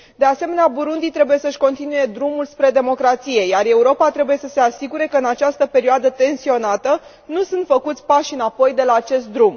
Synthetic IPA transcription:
d̪e̞ase̞me̞neabuɾund̪it̪ɾe̞buje̞səʃʲko̞nt̪inuje̞d̪ɾumulspɾe̞d̪e̞mo̞kɾat̪sije̞jare̞uɾo̞pat̪ɾe̞buje̞səse̞asiɡuɾe̞kəɨnat͡ʃast̪əpe̞ɾioad̪ət̪e̞nsio̞nat̪ə | nusunt̪fəkut̪sʲpaʃʲɨnapo̞jd̪e̞laːt͡ʃe̞st̪̚d̪ɾum

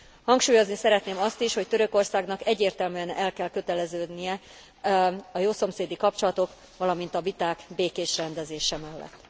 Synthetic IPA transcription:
hɒŋkʃuːjo̞znisɛɾɛt̪neːmɒst̪iʃho̞ct̪øɾø̞ko̞rsaːɡnɒkɛɟːeːrt̪ɛlmyɛnɛlkɛlkø̞t̪ɛlɛzøːd̪nijɛ | ɒjoːso̞mseːd̪ikɒp̚t͡ʃo̞lɒt̪o̞k | ʋɒlɒmint̪ɒvit̪aːkbeːkeːʃrɛnd̪ɛzeːʃɛmɛlːɛ̰t̪ː

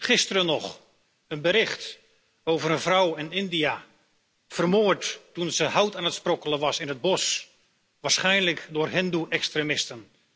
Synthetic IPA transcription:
χɪstərənɔχ | ənbəɾɪχt | oːvəɾənvrɔwɪnɪndia | fərmoːɹtːunzəɦawtaːnətsprokələʋɑsɪnəd̚bɔs | ʋaːɹsχɛjnləkdʊːrɦɪnduʔɛkstremɪstən

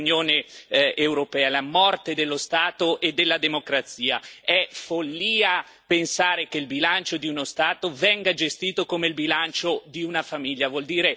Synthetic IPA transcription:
njoːneː | wɾopɛːalamɔrt̪ed̪elːost̪aːt̪oʔed̪ːelːad̪emokɾat̪siːa̰ɛfolːiːa | pensaːɾekeilbilant͡ʃod̪iunost̪aːt̪ovɛŋɡad͡ʒest̪iːt̪okomeilbilant͡ʃod̪iunafamiljavwɔld̪iːɾe

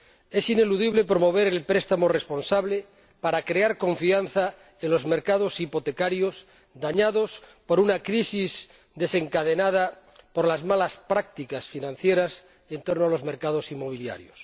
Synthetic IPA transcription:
e̞sine̞luðiβ̞le̞pɾo̞mo̞β̞eɾelpɾest̪amorespo̞nsaβle | paɾakɾeaɾko̞ɱfianθa | enlo̞zme̞ɾkað̞o̞sipot̪e̞kaɾjos | d̪aɲaðo̞spo̞ɾunakɾisis | d̪e̞se̞ŋkaðe̞nað̞a | po̞ɾlazmalaspɾak̚t̪ikasfinãn̟θjeɾas | e̞nt̪o̞ɾnoalo̞zme̞ɾkað̞osimːo̞β̞ilja̰ɾjos

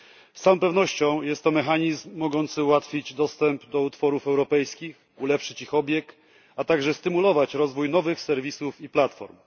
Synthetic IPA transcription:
st̪sawɔ̃pɛvnɔɕt͡ɕɔ̃w̃jɛst̪ːɔmɛxaɲizmːɔɡɔnt̪sɘuwat̪fʲid͡ʑd̪ɔst̪ɛmpd̪ɔut̪fɔɾufɛwɾɔpɛjskʲix | ulɛpʂɘt͡ɕixɔbʲjɛk | at̪aɡʐɛst̪ɘmulɔvat͡ɕɾɔzvujnɔvɘxsɛɾvʲisufiplat̪fɔ̰ɾm

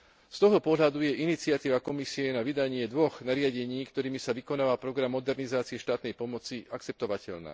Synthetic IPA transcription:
st̪ɔɦt̪ɔpɔɦʎad̪ujɛʔinit͡sɪat̪iːʋakɔmisiɛnaʋid̪aɲɪɛd̪ʋɔɣnaɾɪaɟɛɲiːkt̪ɔɾiːmisaʋikɔnaːʋalpɾɔɡɾamːɔd̪ɛɾnizaːt͡siɛʃt̪aːt̪nɛjpɔmɔt͡siak̚t͡sɛp̚t̪ɔʋacɛ̰ʎna̰ː

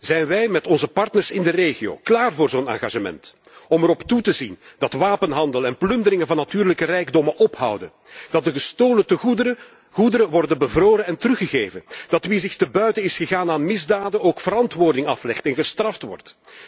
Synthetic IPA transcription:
zɛjnʋɛjmɛtɔnzəpɑrtnərsɪndəreːɣio̰ːklaːrvoːrzoːna̰ːɣa̰ːʒəmɛ̰nt | ɔmɛɾɔptutəzindɑtʋaːpənɦɑndəlˠɛnplʏndəɾɪŋənvɑnːatyːrləkərɛjɡdɔmənʔɔpɦɑ̰wdən | d̥ɑt̚dəɣəstoːləntə | ɣudəɾəʋɔrdəbəvroːɾəɛntərɵxəɣeːvənd̥ɑtʋizɪxtəbœɥtənɪsxəɣaːnaːnmɪzdaːdənoːkfəɾɑntʋoːrdɪŋɑflɛxtɛnɣəstrɑftʋɔ̰rt

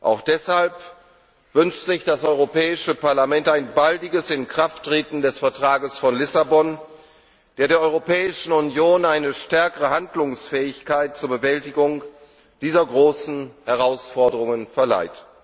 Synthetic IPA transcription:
ʔa̰ʊxd̥ɛshalp | v̥ʏnʃtz̥ɪçd̥asʔɔʏʁopɛːɪʃəpaɐlamɛntaɪnbaldɪɡəsɪnkʁ̥aftʁ̥eːtn̩dɛsfɛɐtʁ̥aːɡəsfɔnlɪsabɔn | d̥eːɐɾeːɐʔɔʏʁopɛːɪʃn̩ʊnjoːnaɪnəʃtɛɐkəʁəhandlʊŋsfɛːɪçkaɪt̚t͡suːɐbəvɛltɪɡʊŋ | d̥iːzɐɡʁoːsn̩hɛʁ̞aʊsfɔɐdəʁʊŋənfɛɐla̰ɪt

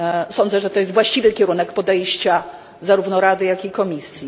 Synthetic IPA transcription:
sɔnd̪zɛʐɛt̪ɔjɛst̪vwaɕt͡ɕivɘkʲɛɾunɛkpɔd̪ɛjɕt͡ɕa | zaɾuvnɔɾad̪ɘjakʲikɔmʲisʲji

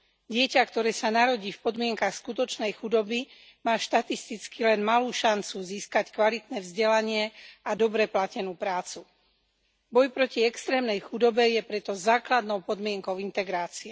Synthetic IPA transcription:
ɟɪɛcakt̪ɔɾɛːsanaɾɔɟiːfpɔd̪mɪɛŋkaxskut̪ɔt͡ʃnɛjxud̪ɔbi | maːʃt̪at̪ist̪it͡skilɛnmaluːʃant͡suziːskackʋalit̪nɛːvzɟɛlaɲɪɛad̪ɔbɾɛplacɛnuːpɾaːt͡su | bɔjpɾɔciɛkst̪ɾɛːmnɛjxud̪ɔbɛjɛpɾɛt̪ɔzaːklad̪nɔʊpɔd̪mɪɛŋkɔʊint̪ɛɡɾaːt͡siɛ

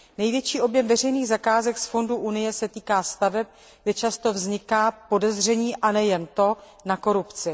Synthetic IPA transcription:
nɛjvjɛt͡ʃiːʔo̞bjɛmvɛr̝ɛjniːɣzakaːzɛksfo̞nduʔunɪjɛsɛt̪iːkaːst̪avɛp̚ | ɡdɛt͡ʃast̪o̞vzɲɪkaːpo̞dɛzr̝ɛɲiːʔanɛjɛnt̪o̞ | nako̞ɾupt͡sɪ

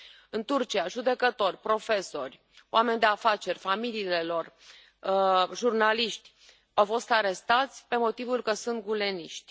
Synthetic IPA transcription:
ɨnt̪urt͡ʃiaʒud̪e̞kət̪o̞rʲpɾo̞fe̞so̞rʲ | oame̞nʲd̪e̞afat͡ʃe̞rʲfamiliːle̞lo̞r | ʒurnaliʃt̪ʲ | awfo̞st̪aɾe̞st̪at̪sʲpe̞mo̞t̪ivulkəsunt̪̚ɡule̞niʃt̪ʲ

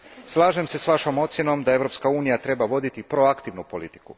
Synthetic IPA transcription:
slˠaːʒe̞mse̞sʋaʃo̞mo̞t̪sje̞no̞md̪ae̞ʋɾo̞pskauːnijat̪ɾe̞baʋo̞d̪it̪ipɾo̞akt̪iʋnupo̞lit̪i̥ku

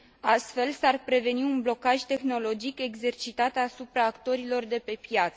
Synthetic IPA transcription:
ast̪fe̞lsarpɾe̞ve̞niunblo̞kaʒʲt̪e̞xno̞lo̞d͡ʒike̞ɡze̞rt͡ʃit̪at̪asupɾaːkt̪o̞ɾilo̞rd̪e̞pe̞pjat̪sə

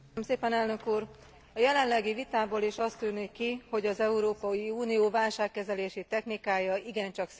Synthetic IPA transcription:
mseːpɛnɛlnø̞kuːr | ɒjɛlɛnlɛɡivit̪aːboːleːʃɒst̪yːnikːiho̞ɟɒzɛuɾoːpɒjiuːnijoːvaːlʃaːkːɛzɛleːʃit̪ɛxnikaːjɒiɡɛnt͡ʃɒks

